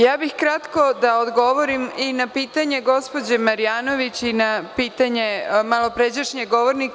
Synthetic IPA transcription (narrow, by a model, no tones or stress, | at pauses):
jaːbixkɾat̪ko̞d̪aod̪ɡo̞ʋoɾiminapiːt̪aɲe̞ɡo̞spo̞d͡ʑemaɾijaːno̞ʋit͡ɕinapiːt̪aɲe̞malˠo̞pɾed͡ʑaʃɲeɡoʋoɾnik